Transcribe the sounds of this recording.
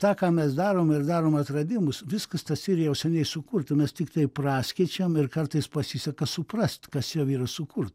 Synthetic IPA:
t̪ɑːkɑːmʲɛsd̪ɑːɾoːmɪrd̪ɑːɾoːmɐt̪rɐd̪ʲɪmʊsʋʲɪskɐst̪ɐsiːɾjɛʊsʲɛnʲɛɪsʊkurt̪ɐmʲɛst̪ʲɪkt̪ɐɪprɑːsʲkʲiɛt͡ʃʲɛmɪrkɐrt̪ɐɪspɐsʲisʲɐkɐsʊprɐsʲt̪ʲkɐsjɛʊiːɾɐsʊkurt̪

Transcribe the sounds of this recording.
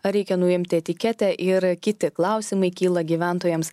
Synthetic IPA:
ɐɾʲɛɪkʲɛnʊɪmʲt̪ʲɪɛt̪ʲɪkʲɛt̪ʲɛʔɪɾkʲɪt̪ʲɪklˠɐˑʊsʲimɐɪkʲiːlˠɐɡʲiːʋʲæˑnt̪oːjɛms

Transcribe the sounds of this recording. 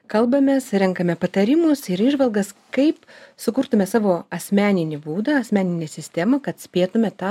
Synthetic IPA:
kɐlˠbɐmʲɛsɾʲɛŋkɐmʲɛpɐt̪ɐɾʲɪmʊsɪɾiːʒʋɐlˠɡɐskɐɪpsʊkʊɾt̪ʊmʲɛsɑːʋoːɐsʲmʲæːnʲɪnʲɪbuːd̪ɐɐsʲmʲæːnʲɪnʲeːsʲɪsʲt̪ʲɛmɐkɐt̪sʲpʲeːt̪ʊmʲɛt̪ɑː

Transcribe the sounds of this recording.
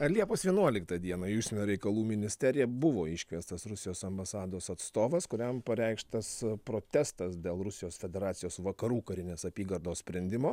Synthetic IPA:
ɐlʲiɛpoːsʋʲiɛnuɔlʲɪkt̪ɐd̪ʲiɛnɐjuːʃʲsʲɪnʲoɾʲɛɪkɐlˠuːmʲɪnʲɪsʲt̪ʲɛɾʲɪjɛbʊʋoːɪʃʲkʲʋʲiɛst̪ɐsɾʊsʲɪjoːsɐmbɐsɑːd̪oːsɐt̪st̪oːʋɐskʊɾʲɛmpɐɾʲɛɪkʃt̪ɐspɾoːt̪ʲɛst̪ɐsd̪ʲeːlˠɾʊsʲɪjoːsfʲɛd̪ʲɛɾɑːt̪ʲɪjoːsʋɐkɐɾuːkɐɾʲɪnʲeːsɐpʲiːɡɐɾd̪oːssʲpʲɾʲɛnʲd̪ʲɪmoː

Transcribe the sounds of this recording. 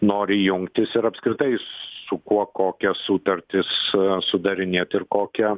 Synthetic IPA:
noːɾʲɪjʊŋkt̪ʲɪsɪɾɐpskɾʲɪt̪ɐɪsʊkuɔkoːkʲɛsuːt̪ɐɾʲt̪ʲɪssʊd̪ɐɾʲɪnʲeːt̪ɪrkoːkʲɛ

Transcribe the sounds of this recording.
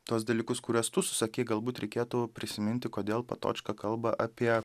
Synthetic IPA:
t̪uɔs̬d̪ɐlʲiːkʊskʊɾʲuɔst̪ʊsʊ̥sɐkʲeːɡɐlˠbuːt̪ɾʲɛɪkʲeːt̪upʲɾʲɪsʲɪmʲɪnʲt̪ʲɪkoːd̪ʲeːlˠpɐt̪o̰ːt͡ʃkɐkɐlˠbɐʔɐpʲiɛ

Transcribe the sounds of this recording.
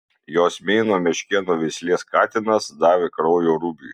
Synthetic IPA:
joːsmʲɛɪnoːmʲɛʃʲkʲɛnoːʋʲɛɪsʲlʲeːskɑːt̪ʲɪnɐsd̪ɑːʋʲɪkɾɔʊjoːɾuːbʲuː

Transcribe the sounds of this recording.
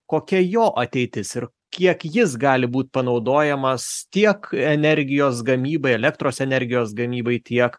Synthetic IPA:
koːkʲɛjoːʔɐt̪ʲɛɪt̪ʲɪsɪɾ | kʲiɛkjɪs̬ɡɑːlʲɪbuːt̪̚ʲpɐnɒʊd̪oːjɛmɐst̪ʲiɛkɛnʲɛɾʲɡʲɪjoːsɡɐmʲiːbɐɪɛlʲɛkt̪ɾoːsɛnʲɛɾʲɡʲɪjoːsɡɐmʲiːbɐɪt̪ʲiɛk

